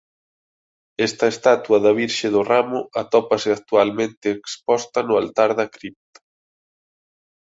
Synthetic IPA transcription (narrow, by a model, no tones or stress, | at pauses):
ɛst̪ɐest̪at̪uɐðɐβ̞iɾʃɪðʊramʊat̪ɔpɐsɪat̪ualmẽnt̪ɪːkspɔst̪ɐnʊalt̪aɾðɐkɾip̚t̪ḁ